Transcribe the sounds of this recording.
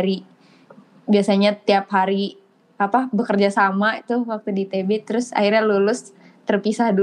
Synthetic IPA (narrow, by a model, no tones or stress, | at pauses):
ɾi | biasaɲat̪iapɦaɾi | apabəkərd͡ʒasamait̪ʊwak̚t̪udit̪ebɛt̪əɾʊsa̰irɲalulʊs | t̪ərpisahdu